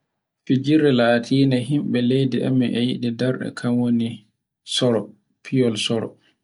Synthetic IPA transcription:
fid͡ʒiɾɛlatʰiːnaɦimɓɛlejdiʔɛ̰mɛʔɛjiɗidɛɾɗɛ̰kʰamwoni | sɔɾɔ | pʰijɔlsɔɾɔ̰

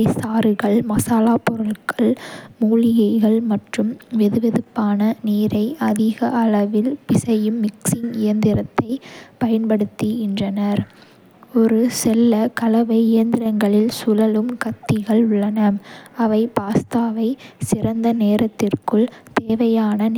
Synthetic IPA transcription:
ɐɪsaːɾɯɣɐɭmɐsaːlaːpɔɾɐɭkɐɭmuːɻɪjɐɪɣɐɭmɐʈrɯmʋɛðɯʋɛðɯpːaːnɐniːɾɐɪʔɐðɪɣɐʔɐlɐʋɪlpɪsɐjɯmːɪksɪŋɪjɐnd̪ɪɾɐt̪ːɐɪpɐjɐnpɐɽɯt̪ːiɪndrɐnɐɾ | ɔɾɯsɛlːɐkɐlɐʋɐɪɪjɐnd̪ɪɾɐŋɡɐɭɪlsʊlɐlɯmkɐt̪ːɪɣɐɭʊɭːɐnɐmɐʋɐɪpaːst̪aːʋɐɪsɪrɐnd̪ɐneːɾɐt̪ːɪrkɯɭt̪eːʋɐjaːnɐn

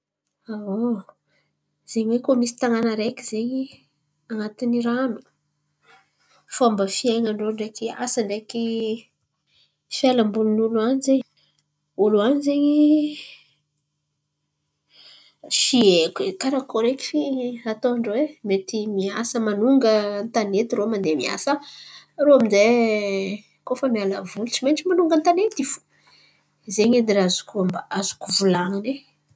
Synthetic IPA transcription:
awo | z̥eɲwekomisi̥t̪aŋanəɾekizeɲi | aŋat̪iniɾanu̥ | faambəfiaŋaɳɖ͡ʐoɳɖ͡ʐekia̰səɳɖ͡ʐeki | felambuninuluanizeɲ | uluanizeɲi | fiekʲkaɾakoɾekʲi̥fiat̪oaɳɖ͡ʐwemet̪imiasəmanuŋɡənt̪anet̪iɾomand̪emia̰saɾoaminze | kofəmialavulut͡ʃimenʈ͡ʂimanuŋɡənt̪anet̪ifu̥ | zeɲed̪iɾazu̥kuambaazu̥kuvulaŋane

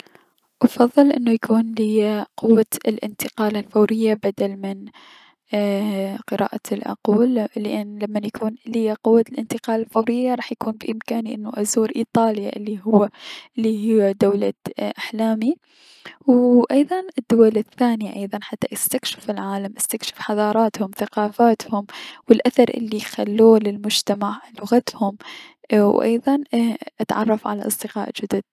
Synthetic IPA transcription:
ʔɑfɑðˤːɨlʔɪnːujakuːnlɪjaqʊwːaɪlʔɪ̰nt̪ɪqɑːlalfawɾɪjːabad̪almɪn | qɨɾa̰ːʔalʔɑ̰quːllɪʔanːlamːanjakʰuːnlɪjaqʊwːalʔɪnt̪ɪqɑːlalfawɾɪjːaɾˤɑːħjakuːnbɪʔɪmkaːniʔɪnːʊʔazuːɾʔiːt̪ˤɑːlja̰ʔɪlːiɦʊwːaʔɪlːihɪad̪awlaʔaħlaːmi | wʔɑjðˤɑnʔɪd̪ːʊwalɪθːaːnɪjaʔɑjðˤɑnħat̪ːaʔɪst̪akʃɪ̥fɪlʕaːlamʔɪst̪akʃɪ̥fħɑðˤɑːɾˤɑːt̪hʊmθaqɑːfaːt̪hʊmwɪlʔaθɑɾˤʔɪ̰lːixalːuːlɪlmʊd͡ʒt̪amaʕlʊɣat̪hʊm | wʔɑ̰jðˤɑnʔat̪ʕɑ̰rˤːɑfʕala̰ʔɑ̰sˤd̪ɪqɑ̰ːʔd͡ʒad̪ʊd̪̚

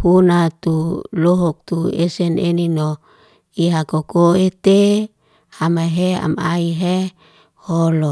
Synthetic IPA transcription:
punat̪uloɦɔk̚t̪uḛseneninɔ | iɦakokoet̪e | amaɦea̰maiɦe | holɔ

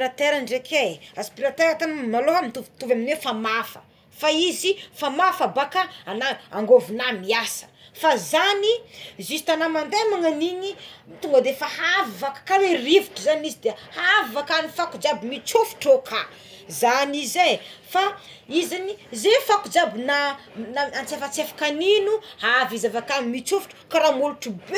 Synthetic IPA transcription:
ɾat̪eɾaɳɖ͡ʐekʰeaspiɾat̪eɾat̪amnaloɦamit̪uvt̪uvaminwefamafə̥̰ | faizifamafabakaanaaŋɡovunamiasə̥fazanizisi̥t̪anamand̪emaŋaniɲit̪uŋɡəd̪efahavvakḁkaweriviʈ͡ʂizanizid̪ehaavakanifakud͡ʒabimit͡sufu̥ʈ͡ʂokʰa | zanizefa | izanizefakud͡ʒabinanaant͡sefat͡sefḁkaninuhaavizavakanimit͡sufu̥ʈ͡ʂu̥kaɾamuluʈ͡ʂub

